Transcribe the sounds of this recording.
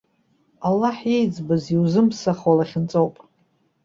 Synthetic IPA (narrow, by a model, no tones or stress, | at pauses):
alːaħjejd͡zbɨziwzɨmsaχwalaχʲɪnt͡sʼowpʼ